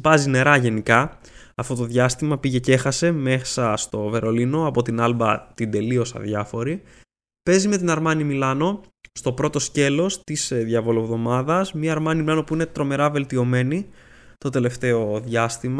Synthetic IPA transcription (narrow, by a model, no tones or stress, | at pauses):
pɐzine̞ɾɐʝe̞nikɐ | ɐft̪o̞t̪o̞ðʝɐst̪imɐpiʝe̞cexɐse̞me̞sɐst̪o̞ve̞ɾo̞lino̞ɐpo̞t̪inɐlbɐt̪ind̪e̞lio̞sɐ̰ðʝɐfo̞ɾi | pe̞zime̞t̪inɐɾmɐnimilɐno̞st̪o̞pɾo̞t̪o̞sce̞lo̞st̪isðʝɐvo̞lovðo̞mɐðɐsmɲɐːɾmɐnimilɐno̞puine̞t̪ɾo̞me̞ɾɐve̞lt̪io̞me̞ni | t̪o̞t̪e̞le̞ft̪e̞o̞ðʝɐst̪im